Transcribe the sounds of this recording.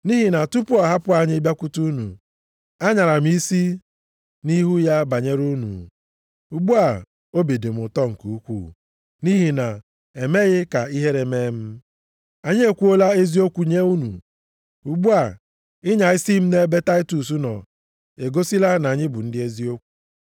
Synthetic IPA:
ni˦ɦi˨na˨tu˦pʊ˦a˨ɦa˦pʊ˦a˨ɲɪ˦bja˦kʷʊ˦tu˦nṵ˨ | a˦ɲa˨ɾa˨m̩˦i˦si˦ | ni˦ɦu˦ja˦ba˨ɲe˦ɾu˦nṵ˨ | u˨ɡ͡bu˦a˨ | o˦be˨de˨m̩˨ʊ˨tɔ˦ŋ̩˨ku˨u˦kʷṵ˦˨ | ni˦ɦi˨na˨ | e˨me˦ɣɪ˦ka˨i˦ɦe˦ɾe˨me˦m̩˦ | a˨ɲ˦e˦kʷu˦o˦la˦e˦zi˦o˦kʷu˨ɲe˦u˦nṵ˨ | u˨ɡ͡bu˦a˨ | ɪ˦ɲa˨ɪ˦si˦m̩˦ne˦be˦ta˦ɪ˦tu˨s̬u˦nɔ̰˨ | e˨ɡo˦si˦la˦na˨ɲɪ˦bʊ˨n̩˦dɪ˦e˦zi˦o˦kʷu̥˨

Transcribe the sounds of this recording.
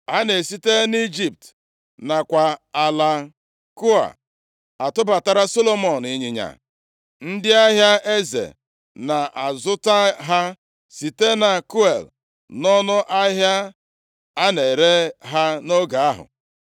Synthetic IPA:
a˦ne˨si˦te˦ni˦d͡ʒi˨p̚t | na˨kʷa˨a˨la˦ | ku˦a̰˨ | a˨tʊ˦ba˨ta˦ɾa˦so˦lo˦mɔ˨n˨ɪ˨ɲi˨ɲa̰˨ | n̩˦dɪ˦a˦ɦja˦e˦zḛ˨ | na˨ʔa˨zʊ˦ta˦ɦa˦ | si˨te˦na˨ku˦e˨l | nɔ˦nʊ˦ʔa˦ɦja˦ | a˦ne˨ɾe˦ɦa˦no˦ɡa˨a˦ɦʊ̰˨

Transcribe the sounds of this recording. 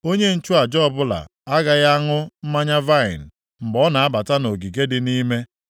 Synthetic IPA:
o˦ɲe˦n̩˦t͡ʃu˦a˨d͡ʒɔ˦˨bʊ˦la̰˨ | a˦ɡa˦ɣa˦ŋʊ˦m̩˦ma˦ɲa˦va˦ɪ̰˨n̩˨ | m̩˨bɔ˦na˨a˦ba˨ta˦no˨ɡi˨ɡe˦dɪ˦ni˦me˦

